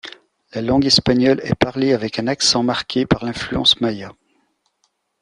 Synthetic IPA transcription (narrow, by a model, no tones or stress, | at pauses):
lalɑ̃ɡɛspaɲjɔlɛ̰paʁleavɛkɛ̃naksɑ̃maʁkʲʰepaʁlɛ̃flyɑ̰̃smaja